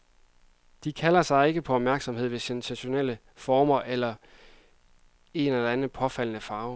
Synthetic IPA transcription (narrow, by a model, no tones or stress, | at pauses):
d̥ikʰælɐsɑ̈ɪe̝ɡ̥əpʰɒ̽ɒ̽b̥̚mæɐɡ̥sɒ̽mɦe̝ð̰ˠʋe̝sensæɕo̝nel̰ə | fɒːmɐʔelɐ | e̝nelænð̩ˠpʰɒ̽fæl̰nəfɑ̈ːʊ